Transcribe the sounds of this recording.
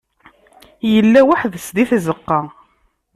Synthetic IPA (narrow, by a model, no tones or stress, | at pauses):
jəlːæwaħðəsd̪iθzəqːɑ